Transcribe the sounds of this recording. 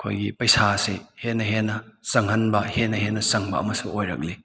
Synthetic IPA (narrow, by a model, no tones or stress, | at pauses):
ɐkʰo̰jɡipɐjsasehenɐɦenɐsɐŋhɐnbɐhenɐhenɐsɐŋbɐ̰ɐ̰mɐsṵojɾɐ̰k̚li